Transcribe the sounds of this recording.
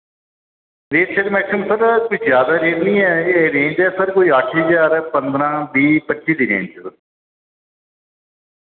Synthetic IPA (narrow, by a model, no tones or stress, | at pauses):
ɾeːɾʃəlmɛːkʰəmsəɾkoizjaːd̪aːɾeːtnĩːɛeɾẽːnd͡ʒɛːsəɾkoiːəʈʰɦəzaːɾpənd̪ɾãːbiːpət͡ʃːʃiːd̪iːɾḛ̃ːnd͡ʒə